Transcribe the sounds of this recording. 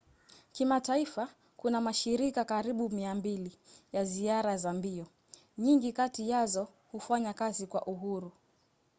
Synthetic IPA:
kimataifa | kunamaʃiɾikakaɾiɓumiambilijaziaɾazambiɔ | ɲiŋɡikatijazɔ | hufaɲakazikwaʔuɦuɾu

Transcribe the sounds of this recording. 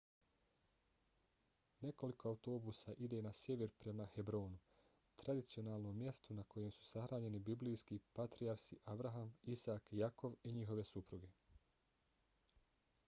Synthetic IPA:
ne̞ko̞liko̞auwt̪o̞ːbusaʔid̪e̞ːnasje̞ʋeɾpɾe̞mahe̞bɾo̞ːnu | t̪ɾad̪it̪sio̞naːlˠno̞mːje̞st̪unako̞je̞msu̥saxɾaːɲe̞nibiblijskipat̪ɾijaɾsiʔabɾaɦamisaːkjako̞ʋiɲiɦo̞ʋe̞supɾuɡe̞

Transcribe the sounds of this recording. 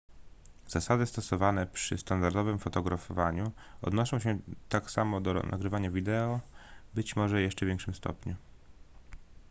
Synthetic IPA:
z̥asad̪ɘst̪ɔsɔvanɛpʂɘ̰st̪and̪aɾd̪ɔvɘmfɔt̪ɔɡɾʔafɔvaɲu | ɔ̰d̪nɔʂɔ̃w̃ɕɛt̪aksamɔd̪ɔ̰nʔa̰ɡɾɘvaɲavʲid̪ɛɔbɘt͡ɕmɔʐɛjɛʂt͡ʂɛvʲjɛŋkʂɘmst̪ʰɔ̰pɲu

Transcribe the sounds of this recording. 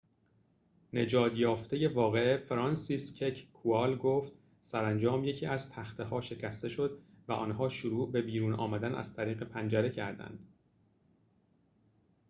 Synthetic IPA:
ne̞d͡ʒɒːd̪jɒːft̪e̞je̞vɒːɣe̞efɾɒnsiscʰecʰkʰuɒːlɡoːft̪ | sæɾænd͡ʒɒːmje̞cʰiːʔæzt̪ʰæxt̪ʰehɒːʃe̞cʰæst̪e̞ʃo̞d̪ | væʔɒ̰ːnɦɒːʃuɾuːʔbe̞biːɾuːnɒ̰ːmæd̪ænʔæ̰z̥t̪ʰæɾiːɣe̞pʰænd͡ʒæɾe̞cʰæɾd̪æ̰nd̪̥

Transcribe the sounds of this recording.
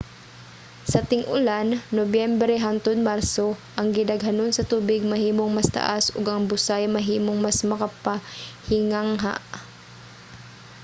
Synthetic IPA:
sɐt̪ɪŋʔʊlanːobjɛmbɾɛɦant̪od̪̚maɾsoʔɐŋɡɪd̪ɐɡɦanonsɐt̪uːbɪɡ̚mɐɦiːmoŋmɐst̪a̰ʔasʊɡʔɐŋbʊsajmɐɦiːmoŋmasmɐkapahɪŋaŋɦa̰ʔ

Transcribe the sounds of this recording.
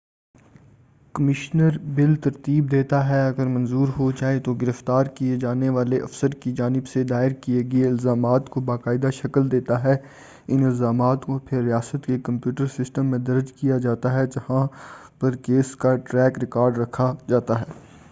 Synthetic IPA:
kɐmɪʃnəɾbɪlt̪ɐɾt̪iːb̚d̪eːt̪aɦɛɐɡəɾmɐ̃nzuːɾɦod͡ʒaːet̪oɡɪɾəft̪aːɾkied͡ʒaːneʋaːleʔɐfsəɾkid͡ʒaːnɪbsed̪aːɪɾkieːɡɐeɪlzaːmaːt̪kobaːkaːɪd̪aʃɐkəld̪eːt̪aɦɛ | ɪnɪlzaːmaːt̪kopʰɪɾːijaːsət̪kekɐ̃mpjuːʈəɾsɪsʈəmːẽd̪ɐɾd͡ʒkijad͡ʒaːt̪aɦɛd͡ʒɐhãpɐɾkeːskaʈɾɛːkɾɪkaːɾɖɾɐkʰad͡ʒaːt̪aɦɛː

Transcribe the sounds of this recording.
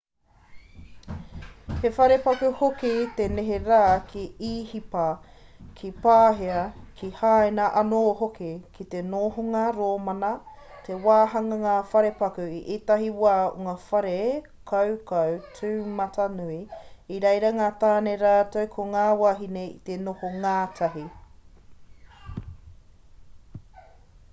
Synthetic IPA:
hefɐɾepɐkʉhokit̪eneɦeɾaːkʰiiːhipɐkʰipaːɦeɐkʰihaaːenɐʔɐnoːɦokikʰit̪enoːɦoŋɐɾoːmɐnɐ | t̪ʰe̞waːɦɐŋɐŋaːfɐɾepɐkʉiʔetɐɦiwaːo̰ŋafɐɾe | kʰɐwkɐwt͡sʰʉːmɐtɐnuiiɾejɾɐŋaːt̪aːneɾaːtowkʰoŋaːwaɦineḭt̪enohoŋaːtʰɐɦi

